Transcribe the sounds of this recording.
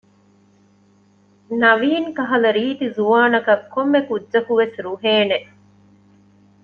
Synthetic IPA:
nɐʋiːŋkɐɦɐlɐɾiːt̪izuʋaːnɐkɐkːomːekudːʒɐkuʋesɾuɦeːne

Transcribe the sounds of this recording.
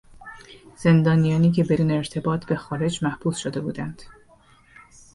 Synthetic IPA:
z̥e̞nd̪ɒːnijɒːniːcʰe̞be̞d̪uːneːɾt̪ʰe̞bɒːt̪ʰbe̞xɒːɾe̞d͡ʒmæhb̥uːsʃod̪e̞buːd̪ænd̪̥

